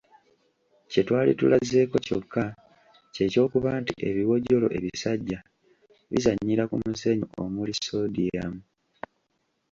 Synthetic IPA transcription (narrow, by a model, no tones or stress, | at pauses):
ce̞twaːlḭtṵlaze̞ːko̞co̞kːa | ce̞ːco̞ːkuβaːntḭʔe̞βiwo̞ɟo̞lo̞̰ʔe̞βisaɟːa | βḭzaɲːiɾakumuze̞ɲuo̰muliso̞dijamu